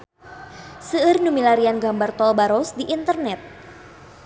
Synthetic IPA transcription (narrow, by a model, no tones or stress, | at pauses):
səːrnumilaɾianɡambart̪ɔlbaɾɔsdiʔint̪ərnɛt̪̚